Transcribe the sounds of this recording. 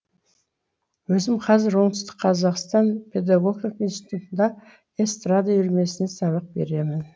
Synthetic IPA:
wɵzɪmqʰɑzɪɾwo̞ɴt̪əst̪ə̥qʰɑzɑqst̪ɑnpʲʰe̞d̪ɑɡoɡ̪iqunsi̥t̪ut̪ənd̪ɑ | est̪rad̪ajʏɾme̞sɪne̞sɑβəq̚be̞̰ɾe̞mɪn

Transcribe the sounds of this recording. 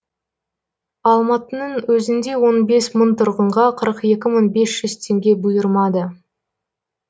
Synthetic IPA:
ɑlˠmɑt̪ənəɴwɵzɪnd̪e̞wo̞nbe̞smənt̪ʰʊɾʁəɴʁɑqʰəɾəqe̞kʲɪməɴbe̞sʒ̥ʏzt̪ʰe̞ŋɡʲe̞bʊjəɾmɑd̪ə

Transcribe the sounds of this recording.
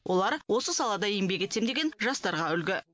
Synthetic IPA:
wʔo̞lˠɑɾwo̞səsɑlˠɑd̪ɑijmbe̞kʲet̪emd̪e̞ɡʲenʒɑst̪ɑɾʁɑʏlɡʲɪ

